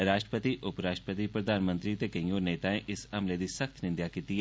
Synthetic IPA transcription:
ɾaːʃʈɾəpət̪iʔʊpɾaːʃʈɾəpət̪ipɾɐd̪ʱaːnmə̃nt̪ɾit̪ekɐ̃j̃oːɾneːt̪aẽʔɪsɐmled̪isɐxt̪ʰnɪ̃nd̪jakit̪i

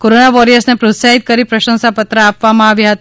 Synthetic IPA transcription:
koɾonaʋɔɾijəɾsnepɾot̪saɦit̪̚kəɾipɾəʃə̃nsapət̪ɾəapʋamãaʋjɦət̪

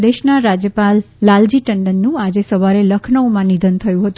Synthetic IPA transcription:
d̪eʃnaɾad͡ʒjəpalː | ald͡ʒiʈəɳɖənːũad͡ʒesəʋaɾeləkʰnəwmãnid̪ʱənt̪ʰəjũɦət̪u

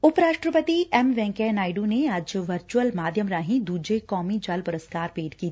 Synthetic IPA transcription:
ʊpɾaːʂʈɾəpət̪iɛmʋɛ̃ːŋkenaːɪɖũnead͡ʒʋɐɾt͡ʃuwəlmaːd̪ʱjəmɾaːɦĩd̪uːd͡ʒekɔːmid͡ʒɐlpʊɾəskaːɾpeːɖkiː

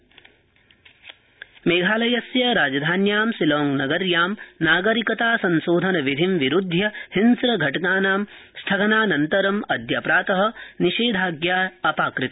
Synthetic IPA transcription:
meːɡʱaːlɐjɐsjɐɾaːd͡ʒɐd̪ʱaːnjaːmsiloːŋnɐɡɐɾjaːmnaːɡɐɾikɐt̪aːsɐnsoːd̪ʱɐnɐʋid̪ʱimʋiɾud̪ʱjɐhinsɾɐɡʱɐʈɐɡaːnaːm | st̪ʰɐɡɐnaːnɐnt̪ɐɾɐmɐd̪ʱjɐpɾaːt̪ɐɦɐ̆niʃeːd̪ʱaːɡjaːɐpaːkɾɨt̪ɐ̥

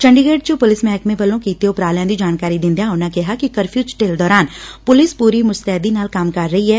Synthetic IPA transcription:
t͡ʃə̃ɳɖiɡeːɖ̚t͡ʃəpʊlɪsmɛ̃ːkmẽbəlːõkiːt̪eʊpɾaːljãːd̪iːd͡ʒaːnkaːɾid̪ɪ̃nd̪ijãːɦʊnãkɪɦaːkikəɾpʰjuːt͡ʃʈeːld̪ɔːɾaːnpʊlɪspuːɾimʊst̪ɛɦd̪inaːlkamkɐɾːəɦiɦɛː

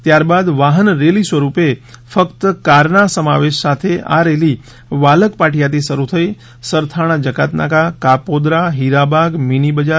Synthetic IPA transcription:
t̪jaɾbad̪ʋaɦənɾelisʋəɾupefəkt̪əkaɾnasəmaʋeʃsat̪ʰea̰ɾeli | ʋaləkpaʈʰijat̪isəɾut̪ʰəi | səɾt̪ʰaɽ̃ad͡ʒəkat̪na̰kakapod̪ɾaɦiɾabaɡminibəd͡ʒa

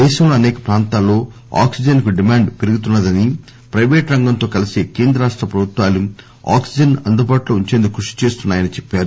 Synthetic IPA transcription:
d̪ɛːʃɐmlɐɐnɛːkɐ̥pɾaːnt̪aːlːo̞ː | a̰ːksid͡ʒɐnkuɖimaːɳɖpeɾuɡut̪̬unːɐd̪ɐni | pɾɐjʋeːʈɾɐŋɡɐnt̪o̞ːkɐlisikeːnd̪ɾɐɾaːʂʈɾɐpɾɐbʱut̪ʋaːlːu | a̰ːksid͡ʒɐnɐnd̪ubaːʈlo̞ːuɲt͡ʃe̞ːnd̪ukːɾuʂi̥t͡ʃe̞ːst̪unːaːjɐnit͡ʃɛpːaːɾu

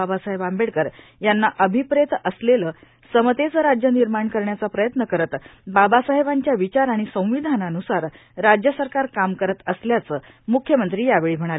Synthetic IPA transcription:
abasaɦeʋambeɽkəɾ | janːaʔəbʱipɾet̪əsleləː | səmət̪et͡səɾad͡ʑjəniɾmaɳkəɾɳjat͡sapɾəjət̪nəkəɾət̪babasaɦeʋaɲt͡ɕjaʋit͡ɕaɾaɽ̃isə̃w̃ʋid̪ʱananusaɾ | ɾad͡ʑjəsəɾkaɾkamkəɾət̪əsljat͡səː | mukʰjəmənt̪ɾiːjaʋeɭiːm̤əɽ̃alə

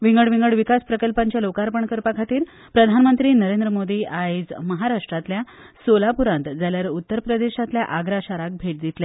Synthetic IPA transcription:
ʋiŋɡəɽʋiŋɡəɽʋikaspɾəkəlpãɲt͡ɕjalokaɾpəɳkəɾpakʰat̪iːɾ | pɾəd̪ʱanmənt̪ɾiːnəɾend̪ɾəmod̪iːʔaid͡zməɦaɾaʂʈɾat̪lja | solapuɾãnt̪d͡zaljaɾut̪ːəɾpɾəd̪eɕat̪ljaʔaɡɾaɕaɾak̚bʱeʈ̚d̪it̪le

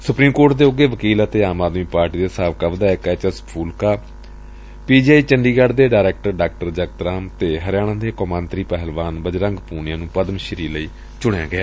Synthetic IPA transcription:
sʊpɾiːmkoːɾʈd̪eːʊɡeːʋəkiːlət̪eːaːmaːd̪miːpaːɾʈiːd̪eːsaːʋkaːʋəd̪aːkɛːt͡ʃəspʰuːlkaː | piːd͡ʒaːiːt͡ʃəɳɖiːɡaɖd̪eːɖaːɾɛːk̚ʈəɾɖaːk̚ʈəɾd͡ʒək̚t̪ɾaːmt̪eːɦəɾɪjaːɽ̃ãːd̪eːkɔːmãːnt̪ɾiːpɛɦəlʋaːnbəd͡ʒɾə̃ŋɡpuːnɪjãːnũːpəd̪əmʃəɾiːləiː | t͡ʃʊɳja̰ːɡɪjaː

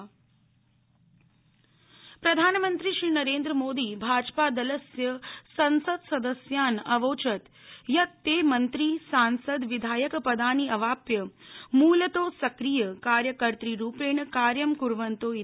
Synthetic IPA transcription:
pɾɐd̪ʱaːnmənt̪ɾiʃɾiːnɐɾeːnd̪ɾəmoːd̪iːbʱaːd͡ʒpaːd̪ɐlɐsjəsɐnsəd̪sɐd̪əsjaːnɐʋoːt͡ʃɐt̪ | jɐt̪ːeːmɐnt̪ɾiːsaːnsəd̪ʋid̪ʱaːjɐkpɐd̪aːniɐʋaːpjɐmuːlət̪oːsɐkɾijɐkaːɾjɐkəɾt̪ɾiːɾuːpeːɳkaːɾjɐmkuɾʋɐnt̪oːi

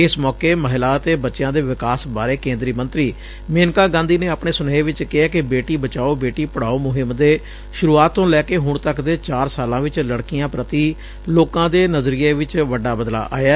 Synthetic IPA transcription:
ɪsmɔːkeːməːɦɪlaːət̪eːbətːʃɪjãːd̪eːʋɪkaːsbaːɾeːkẽːnd̪ɾiːmə̃nt̪ɾiː | meːnkãːɡãːnd̪iːneːapɳeːsʊneːʋɪt͡ʃkɪɦaːkɪbeːʈiːbət͡ʃaːoːbeːʈiːpəɽ̤aːoːmʊɦɪmd̪eː | ʃʊɾuːaːt̪ːõːlɛːkeːɦʊɳt̪əkd̪eːt͡ʃaːɾsaːlãːʋɪt͡ʃləɽkijãːpɾət̪iː | loːkãːd̪eːnəzɾiːeːʋɪt͡ʃʋəɖaːbəd̪la̰ːʔa̰ːjaː

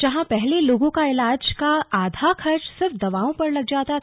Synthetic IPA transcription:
d͡ʒɐɦãpɛɦleloːɡõkaɪlaːd͡ʒkaaːd̪ʱakʰɐɾt͡ʃsɐbd̪ɐʋaːõpɐɾlɐɡd͡ʒaːt̪a

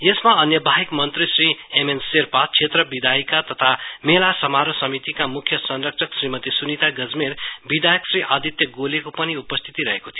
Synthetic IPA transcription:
jesmaʌnjʌbʱaɦikmʌnt̪risriemenserpat͡sʰet̪rʌbid̪aikat̪ʌt̪ʰamelasʌmaɾosʌmit̪ikamukʰːjʌsʌnrʌk̚t͡sʰʌksrimʌt̪isunit̪aɡʌd͡zmeɾbid̪ʱajʌksriʔad̪it̪jʌɡolekopʌniupʌst̪ʰi̥t̪iɾʌɦekot̪ʰijo

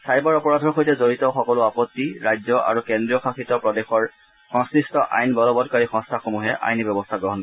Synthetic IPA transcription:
sajbɔɹɔpɔɹadʱɔɹxojtɛzoɹitɔxɔkɔlʊapɔt̪ːiɹajd͡ʒzɔʔa̰ɹukendɹijɔkʰaxitɔpɹɔdexɔɹ | xɔ̃ŋsɹistɔʔa̰jnbɔlɔbɔdkaɹixɔ̃ŋstʰaxomuɦɛʔa̰jnibjɔbɔstʰaɡɹɔɦɔn

